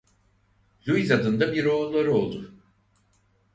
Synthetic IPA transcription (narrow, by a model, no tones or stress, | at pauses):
lʲujizad̪ɯnd̪abiɾo̞ːlːˠaɾɯo̞lˠd̪ʊ